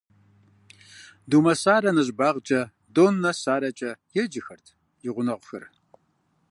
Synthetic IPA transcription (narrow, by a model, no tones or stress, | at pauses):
duːmɐsaːrɐnɨʑbaːʁt͡ʃʼɐ | doːnːɐsaːɾɐt͡ʃʼɐjɛd͡ʒɪxɐrtʰ | jɪʁʷʊnɐʁʷʊxɨ̰r